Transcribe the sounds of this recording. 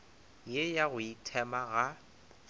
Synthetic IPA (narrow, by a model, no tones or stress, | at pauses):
jejaɣʊitʰɛmaɣa